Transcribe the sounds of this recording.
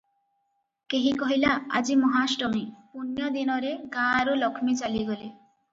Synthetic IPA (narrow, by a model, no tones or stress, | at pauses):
keɦikɔɦilaa̰d͡ʑimɔɦaʃʈɔmipunjɔd̪inɔɾeɡaɾolɔkʰmit͡ɕaliɡole